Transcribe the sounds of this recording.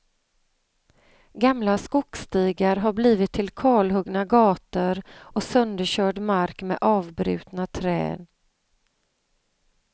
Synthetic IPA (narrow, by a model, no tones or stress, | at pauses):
ɡamlaskʊkst̪iːɡaɾɦaɾbliːvɪt̪ʰːɪlkʰɑːlɦɵɡnaɡɑːt̪əɾʔɔsœnd̪əɕœːɖmaɾkmɛ̰ʔɑːvbɾʉ̟̰ːt̪nat̪ʰɾɛ̰ːn